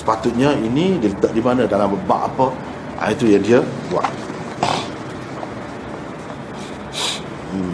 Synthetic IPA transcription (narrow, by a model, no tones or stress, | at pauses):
sə̥pat̪ut̪̚ɲəinidilət̪əʔ̚dimanə̃dalambəba̰ʔapə | ʔa̰t̪ujaŋdiəbua̰ʔ